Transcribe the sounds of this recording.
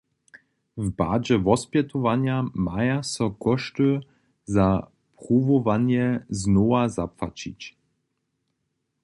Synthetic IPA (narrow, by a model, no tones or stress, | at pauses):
vba̰ːd͡ʑɛvɔspʲjɛt̪ɔvaɲjamajasɔkɔʂtɨ | za | pʁuvɔvaɲjɛznɔazapfat͡ɕḭt͡ɕ